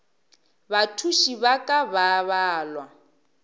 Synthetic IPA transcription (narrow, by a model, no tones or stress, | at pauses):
βatʰuʃiβakʼaβaβaːlwa